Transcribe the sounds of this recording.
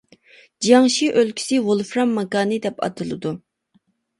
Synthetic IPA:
d͡ʒɑŋʃiʔølkʲʰi̥sɪwolˠfɾɑmːɑkɑːnɨd̪ɛpɑ̰t̪ʰɨlˠɨ̰d̪u

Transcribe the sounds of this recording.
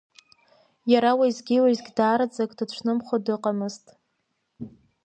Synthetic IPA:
jaɾawiːzɡʲiwazɡʲdaːɾad͡zakʼdat͡ʃʷʰnɨmχʷodɨqʼamɨztʼ

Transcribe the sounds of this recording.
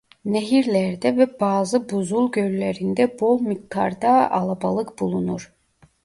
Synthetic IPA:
neɦiɾlʲæɾd̪ɛvɛbaːzɯbuzulˠɟølleɾind̪ɛbomik̪ʰːa̰ɾd̪aa̰lˠabalˠɯkbulˠunuɾ̥

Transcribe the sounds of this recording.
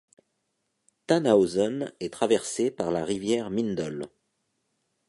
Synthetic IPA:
t̪anaozɔnɛt̪χavɛʁsepaʁlaʁivjɛʁmind̪ɔl

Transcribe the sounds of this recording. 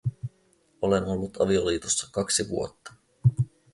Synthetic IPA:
o̞le̞no̞lːut̪ɑ̰ʋio̞liːt̪osːɑ̥kɑksiʋuot̪ːɑ̥

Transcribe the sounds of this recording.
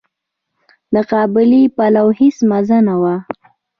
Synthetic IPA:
d̪əqɑbɪlipalawhɪsmazanawa

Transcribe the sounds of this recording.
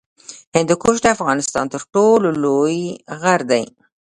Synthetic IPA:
hɪnd̪ukoʃ̬d̪eafɣɑnɪst̪ɑ̰nt̪əɾʈololojɣaɾd̪aj

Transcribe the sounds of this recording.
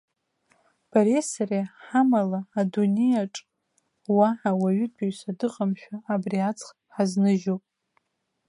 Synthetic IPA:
b̥aɾesareħamalaːdunejaʈ͡ʂʼ | waħawaɥʏtbiɥsadɨqʼamʃᶣaːbriat͡sʰʼχ | ħaznɨʒowpʼ

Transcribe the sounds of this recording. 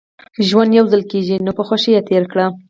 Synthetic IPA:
ʒwand̪jawzəlkeʒinopəxaʃijet̪eɾkɽa

